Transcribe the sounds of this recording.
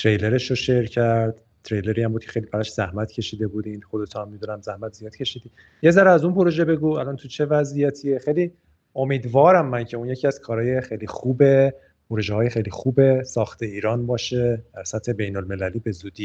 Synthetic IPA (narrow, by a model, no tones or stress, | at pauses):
t̪ʰɾejle̞ɾe̞ʃoʃe̞ɾcʰæɾd̪̥ | t̪ʰɾe̞jle̞ɾiːæmbud̪cʰexe̞jlibæɾɒːʃz̥æhmæt̪ʰcʰe̞ʃiːd̪e̞buːd̪iːnd̪xod̪et̪ʰuæmːid̪unæmzæhmæt̪z̥ijɒːd̪̥cʰe̞ʃid̪iː | je̞zæɾæzunpo̞ɾo̞ʒebe̞ɡuælɒːnt̪ʰut͡ʃʰe̞væzijæt̪ʰiexejli | o̞miːd̪vɒːɾæmːæncʰe̞unje̞cʰiæz̥kʰɒːɾɒːje̞xejlixuːbe | pʰoɾo̞ʒeɦɒːjexejlixuːbesɒːxt̪ʰe̞iːɾɒːnbɒːʃed̪̥æɾsæt̪he̞be̞jnolme̞læliːbe̞zuːd̪iː